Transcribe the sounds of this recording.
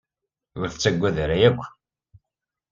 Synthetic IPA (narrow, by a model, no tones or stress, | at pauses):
ʊɾθət͡sːæɡʷːæðɾæjæɡʷː